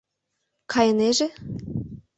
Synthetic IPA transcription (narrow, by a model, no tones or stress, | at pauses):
kʰɑjɤneʒe